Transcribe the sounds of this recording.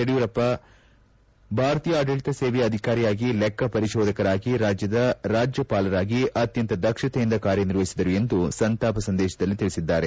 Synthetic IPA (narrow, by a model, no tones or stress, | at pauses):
ɐɽiʋuɾɐpːɐ | bʱaːɾɐt̪iːjɐaːɖɐɭit̪ɐseːʋɛjɐd̪ʱikaːɾijaːɡilɛkːɐpɐɾiʃɔːd̪ʱɐkɐɾaːɡiɾaːd͡ʒjɐd̪ɐɾaːd͡ʒjɐpaːlɐɾaːɡiʔɐt̪jɐnt̪ɐd̪ɐkʂɐt̪ɛjind̪ɐkaːɾjɐniɾʋɐɦisid̪ɐɾue̞nd̪usɐnt̪aːpɐsɐnd̪ɛːʃɐd̪ɐlːit̪iɭisid̪ːaːɾe